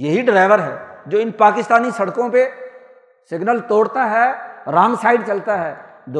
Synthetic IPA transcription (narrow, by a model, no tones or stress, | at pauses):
jɐɦiɖɾaːɪʋəɾɦɛ̰ːd͡ʒoːɪnpaːkɪst̪aːnisɐɽkõpe | sɪɡnəlt̪oːɽt̪aɦɛːɾãːŋɡsaːɪɖ̚t͡ʃɐlt̪aɦɛː | d̪